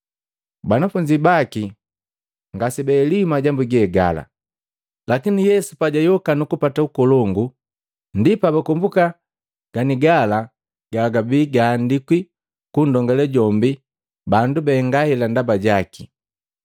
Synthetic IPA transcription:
banafuɲd͡ʒibaki | ŋɡasɛbɛːlimaɟambuɡɛːɡa̰la̰ | lakinijɛsupaɟajɔkanukupataukɔlɔŋɡu | ndipabakɔmbuka | ɡ̥aniɡala | ɡ̥aɡabiːɡaːndikwi | kundɔŋɡɛlɛɟɔmbi | bandubɛŋɡahɛlandabaɟaki

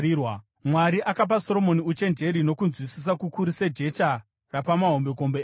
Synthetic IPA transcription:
wa | mwaɾiʔakap̬aso̞ɾo̞mo̞niut͡ʃe̞nd͡ʒe̞ɾino̞kunzwisis̬akukuɾise̞d͡ʒe̞t͡ʃa | rapamaɦo̞mbe̞ko̞mbe

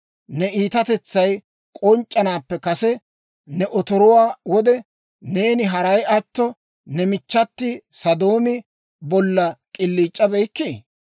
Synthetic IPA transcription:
nɛiːt̪ɐt̪ɛt͡sːɐj | kʼɔnt͡ʃʼːɐnaːpːɛkɐsɛ | nɛʔɔt̪ɔɾɔwaːwɔd̪ɛ | ne̞ːnɪɦɐɾɐjɐt̪ːɔ | nɛmɪt͡ʃːɐt̪ːɪsɐd̪oːmɪ | bɔlːɐkʼɪlːiːt͡ʃʼːɐbɛjkːɪ

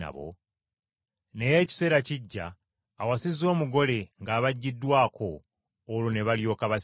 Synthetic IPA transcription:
a̰βo̰ | ne̞je̞ːci̥se̞ːɾaciɟːa̰ː | wasizo̞ːmuɡo̞le̞ŋɡaːβaɟːidːwaːkʰo̞ː | lune̞βaljo̞ːkaβas

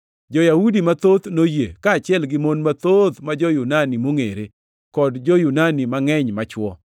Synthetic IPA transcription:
d͡ʒɔjaudimat̪ot̪nojekaːt͡ʃɪɛlɡɪmonmat̪ot̪mad͡ʒɔjunanimoŋḛɾe | kɔdd͡ʒɔjunanimaŋɛɲmat͡ʃwɔ

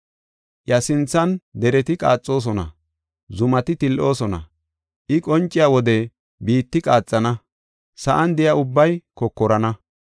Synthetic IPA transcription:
jɐsɪnt͡sːɐnd̪ɛɾɛt̪ɪkʼa̰ːt͡sʼːo̞ːs̬ɔnɐ̰ | zʊmɐt̪ɪt̪ɪlʔo̞ːsɔnɐ̰ | ʔɪkʼɔnt͡ʃʼːɪjawɔd̪ɛ | biːt̪ːɪkʼaːt͡sʼːɐnɐ | sɐʔɐnd̪ɪjaʊbːɐjkɔkːɔɾɐnɐ

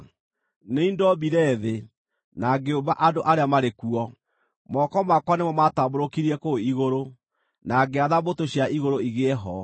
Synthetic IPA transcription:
neindɔbiɾɛðe | naɡeobaʔandoʔaɾeamaɾekuɔ | mɔkɔmakwanemɔmataboɾokiɾiɛkoiɣoɾo | naɡeaðabotoɕjaʔiɣoɾoiɣeɦɔ

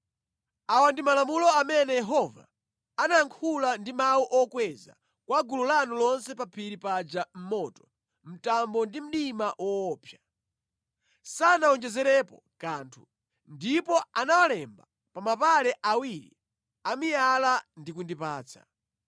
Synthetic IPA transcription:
awandimalamulɔamɛnɛjɛɦɔva̰ | anaaŋkʰulandimawuʔɔkwɛza̰ | kwaɡululanulɔnsɛpapʰiɾipad͡ʒam̩mɔtɔ̥ | m̩tambɔndim̩ɗimaʔwɔːpʰja | sanaɔnd͡ʒɛzɛɾɛpɔ | kaːntʰu̥ | ndipɔanawalɛmba | pamapalɛʔawiɾḭ | amijalandikundipaːt͡sʰḁ̰

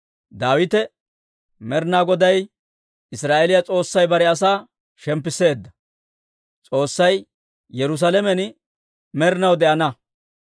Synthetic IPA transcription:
d̪aːwɪt̪ɛ | mɛɾnaːɡɔd̪ɐj | ɪsɾaːʔɛlɪjat͡sʼo̞ːsːɐjbɐɾɛɐs̬aː | ʃɛmp̬ːɪse̞ːd̪ːɐ | t͡sʼo̞ːsːɐj | jɛɾʊs̬alɛmɛn | mɛɾnɐwd̪ɛʔɐnɐ

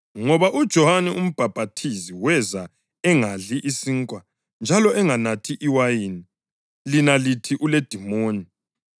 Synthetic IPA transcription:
ŋɔβaʔud̥ʒ̥ʱɔhanɛum̩b̥ʱab̥ʱatʰiziwɛza | ɛŋaɮiʔisiŋkʼwa | nd͡ʒʱalɔɛŋanatʰiʔiwajiːni | linalitʰiʔuled̥ʱimoːni

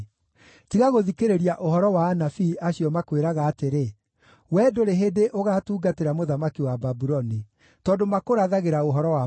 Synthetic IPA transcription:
tiɣaɣoðikeɾeɾiaʔoɦɔɾɔwaːnafiʔaɕijɔmakweɾaɣaːteɾe | wɛːdoɾeɦedeʔoɣaːtuːɡateɾamoðamakiwababuɾɔni | tɔːdomakoɾaðaɣeɾaoɦɔɾɔwa

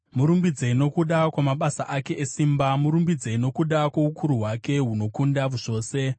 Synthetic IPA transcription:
muɾumbid͡zeino̞kuɗakwamaɓasaʔake̞ʔesiːmbamuɾumbid͡zeino̞kuɗakwo̞ukʰuɾuɦwake̞ɦuno̞kundaʋuʐo̞ːse̞

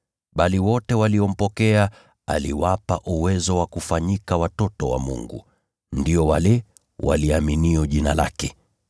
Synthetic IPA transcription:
ɓaliwɔtɛwaliɔm̩pɔkɛa | a̰lḭwapa̰ʔuwɛzɔwakufaɲikawatɔtɔwa̰mṵŋɡṵ | ndiɔwalɛ | wʔa̰liaminiɔʄinala̰kɛ

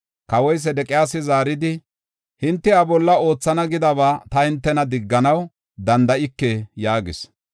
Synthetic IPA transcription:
kɐwɔjs̬ɛd̪ɛkʼɪjaːsɪzaːɾɪd̪ɪ | hɪnt̪ːɪabɔlːɐo̞ːt͡sːɐnɐɡɪd̪ɐβaːt̪ɐhɪnt̪ːɛnɐd̪ɪɡːɐnɐw | d̪ɐnd̪ɐʔɪkːɛjaːɡɪ̰s

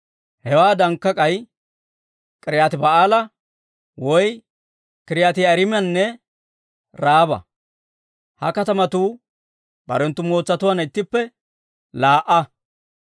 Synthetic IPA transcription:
hɛwaːd̪ɐŋkːɐkʼɐj | kʼɪɾɪjaːt̪ɪbɐʔaːlɐ | wɔj | kʼɪɾɪjaːt̪ɪɐɾɪmɪjɐnːɛ | ɾaːbɐ̰ | hɐ̰kɐt̪ɐmɐt̪uː | bɐ̰ɾɛnt̪ːʊmoːt͡sːɐt̪ʊwaːnɪt̪ːɪpːɛ | laːʔɐ

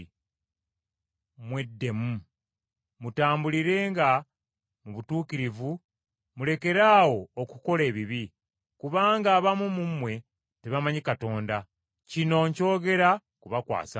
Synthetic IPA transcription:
mwe̞dːe̞mu | mutaːmbuliɾe̞ːŋɡa | muβutuːkiɾivu | mule̞ke̞ɾaːwo̞ːkuko̞le̞ːβiβi | kuβaːŋɡaːβamumumwe̞ | te̞βamaɲikato̞ːnda | cino̞ːɲco̞ːɡe̞ɾa | kuβakwa̰ːsa

